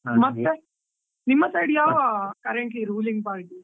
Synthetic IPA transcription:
mɐt̪ːe | nimːɐsɐjɽijaːʋakɐɾɛɳʈliɾuːlĩŋɡ̚paːʈi

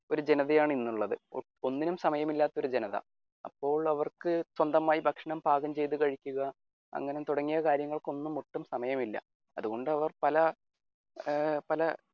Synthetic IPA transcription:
o̞ɾud͡ʑe̞nɐðɐjaːɳinːuɭːɐðɨ | o̞nːinumsɐmɐjɐmilːaːt̪ːo̞ɾud͡ʑenɐðɐ̰ | ɐ̰pːo̞ːɭɐʋɐrkɨswɐnd̪ɐmaːjibʱɐkʂɐɳɐmbʱaːɡɐmt͡ɕe̞jt̪̬ːukɐɻikʲːuɣɐ | ɐ̰ŋːɐnet̪uɽɐŋːijɐkaːɾjɐŋːɐɭko̞nːumːuʈːumsɐmɐjɐmilːɐ̰ | ɐ̰ðuɣo̞ɳɖɨɐʋɐrpɐlɐ | pɐlɐ

